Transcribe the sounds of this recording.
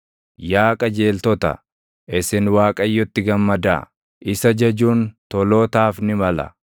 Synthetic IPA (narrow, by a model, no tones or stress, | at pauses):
jaːkʼɐd͡ʒe̞ːlt̪ɔt̪ɐ̰ | ʔɪsɪnwaːkʼɐjːɔt̪ːɪɡɐmːɐd̪a̰ː | ʔɪsɐd͡ʒɐd͡ʒuːnt̪ɔloːt̪aːfnɪmɐlɐ̰